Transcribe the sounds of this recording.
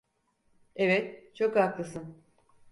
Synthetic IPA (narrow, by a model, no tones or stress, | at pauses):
evɛt̪̚t͡ʃʰo̞kaklˠɯsɯn